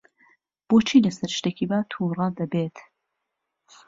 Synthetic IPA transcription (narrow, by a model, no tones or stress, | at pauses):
b̥oːt͡ʃʰiːlɐsɐɾʃt̪eːkiːbaːt̪ʰuːrˤɑːd̪ɐbeːt̪